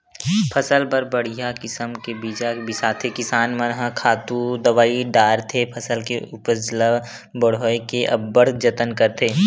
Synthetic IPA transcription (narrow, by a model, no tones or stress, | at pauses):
pʰɐsəlbəɾbɐɽ̤ijakɪsəmkebiːd͡ʒabɪsaːt̪ʰekɪsaːnmənɦəkʰaːt̪ud̪ɐʋaːiɖaːɾt̪ʰepʰɐsəlkeʊpəslə | bəɽ̤oːekeʔɐ̰bːəɽ̤d͡ʒət̪ənkəɾt̪ʰeː